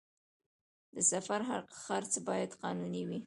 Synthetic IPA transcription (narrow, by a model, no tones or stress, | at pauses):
d̪əsafaɾɦa̰ɾqxaɾt͡sbɑjad̪qɑnuniwi